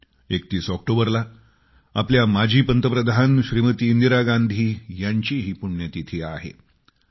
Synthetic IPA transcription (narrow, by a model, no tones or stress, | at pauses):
ek̚t̪iːsɔk̚ʈobəɾla | apljamad͡ʑʱiːpənt̪əpɾəd̪ʱanɕɾiːmət̪iːnd̪iɾaɡand̪ʱiːjaɲt͡ɕiɦiːpuɳjət̪it̪ʰea̰ɦḛ